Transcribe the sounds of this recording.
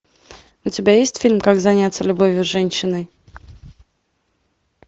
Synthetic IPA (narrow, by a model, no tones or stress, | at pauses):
ʊtʲɪbʲajesʲtʲfʲilʲmkaɡzɐnʲat̪səlʲʊbovʲjʊʐɛnʲɕːɪnɨj